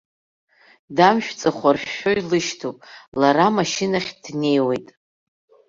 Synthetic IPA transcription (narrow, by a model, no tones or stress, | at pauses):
damʃᶣt͡sʼaχʷarʃːo̞jlɨʃtʰopʼlaɾamaʃɪnaχʲdne̞jwejtʼ